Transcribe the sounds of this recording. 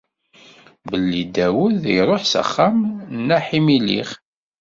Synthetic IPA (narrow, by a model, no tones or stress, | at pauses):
bəlːid̪æwʊðjɾˤoħsə̰χːæmnːæħimilḭχ